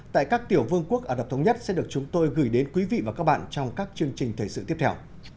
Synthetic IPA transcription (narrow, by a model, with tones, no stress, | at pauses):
t̪a̰ː˧˨jkaː˦˥k̚t̪i˧˩əwvɨ˧əŋku˦˥ək̚ʔəː˨˧˩ɗə˨˩t̪ʰə˨˦wɲə˦˥t̚sɛ̰˧˥ɗɨ˨˩ək̚t͡ɕʊ˨˦ŋ͡mt̪o˧jɣɨ˧˩jɗe˨˦nkwi˨˦vḭ˧˨vaː˨˩kaː˦˥k̚ɓa̰ː˧˨nt͡ɕɔ˧wŋ͡mkaː˦˥k̚t͡ɕɨ˧əŋt͡ɕï˨˩ŋ̟t̪ʰe˧˩sɨ̰˧˨t̪i˦˥əp̪̚ʰɛ˧w